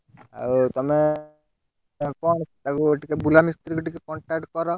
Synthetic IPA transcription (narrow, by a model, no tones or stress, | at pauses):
a̰ut̪ɔme | kɔɳ̃st̪akueʈikebulamist̪ɾikuʈikekɔɳʈak̚ʈkɔɾɔ